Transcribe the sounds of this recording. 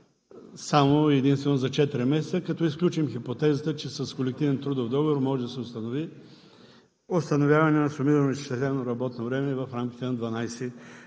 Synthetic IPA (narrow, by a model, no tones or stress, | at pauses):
samoɛd̪inst̪vɛnozɐt͡ʃɛt̪iɾimɛs̬ɛt̪səkɐt̪ɔisklʲut͡ʃimxipot̪ɛzət̪ət͡ʃɛsɐskolɛk̚t̪ivɛnt̪ɾud̪ofd̪ɔɡovoɾmɔʒɛd̪ɐsɛost̪ɐnovi | ost̪ɐnovʲjavɐnɛnɐsʊmiɾɐnoist̪ɛsɛnoɾɐbɔt̪novɾɛmɛivɐfɾamkʲi̥t̪ɛnɐd̪vɐnajsɛ